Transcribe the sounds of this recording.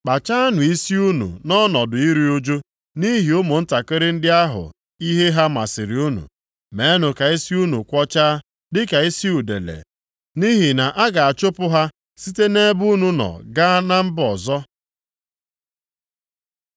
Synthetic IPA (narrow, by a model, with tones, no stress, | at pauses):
k͡pa˨t͡ʃa˦nʊ˨i˦si˦u˦nṵ˨nɔ˦nɔ˨dʊ˨i˦ɾi˦o˦d͡ʒo˦ | ni˦ɦi˨ʊ˦mʊ˨n̩˦ta˨kɪ˦ɾɪ˦n̩˦dɪ˦a˦ɦʊ̰˨ | i˦ɦe˦ɦa˦ma˨sɪ˨ɾi˨u˦nṵ˨ | me˨˦nʊ˨ka˨i˦si˦u˦nu˨kʷɔ˦t͡ʃa˦ | dɪ˦ka˨i˦si˦u˨dḛ˨lḛ˨ | ni˦ɦi˨na˨ʔa˦ɡa˨a˨t͡ʃʊ˦pʊ˦ɦa˦ | si˦te˦ne˦bu˦nu˦nɔ̰˨ɡa˦a˦na˦m̩˦bɔ˨zɔ˦